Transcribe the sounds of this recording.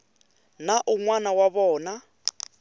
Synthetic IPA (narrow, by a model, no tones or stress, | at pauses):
naʔuŋwanawaβɔːna